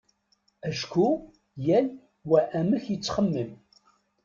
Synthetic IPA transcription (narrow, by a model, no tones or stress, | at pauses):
æʃkʰu | jæl | wæʔæməçjət͡sːχəmːəm